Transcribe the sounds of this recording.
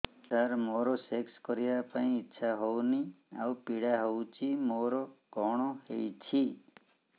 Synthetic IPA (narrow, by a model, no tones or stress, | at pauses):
səɾmoɾosekskɔɾijapaɳ̃ĩːtːʃʰaɦownia̰upiɽaɦowt͡ʃʰimoɾokɔɽ̃ɔhejt͡ʃʰi